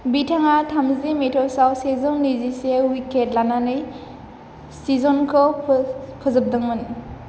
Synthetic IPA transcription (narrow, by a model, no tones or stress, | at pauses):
bitʰaŋatʰamzimetʰɔsawsezɔnnːizisewiket̚lananɯj | sizɔnkʰɯ | kʰɯzɯp̚dɯŋmɔni